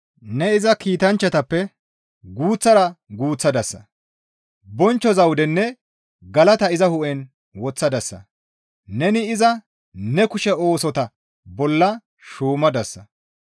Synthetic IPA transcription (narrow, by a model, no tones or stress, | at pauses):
nɛɪzɐkiːt̪ɐnt͡ʃːɐt̪ɐpːɛ | ɡuːt͡sːɐɾɐɡuːt͡sːɐd̪ɐsːɐ̰ | bɔnt͡ʃːɔzɐwʊd̪ɛnːɛ | ɡɐlɐt̪ɐɪzɐhʊʔɛn | wɔt͡sːɐd̪ɐsːɐ̰ | nɛnɪɪzɐ | nɛkʊʃɛo̞ːsɔt̪ɐ | bɔlːɐ | ʃuːmɐd̪ɐsːɐ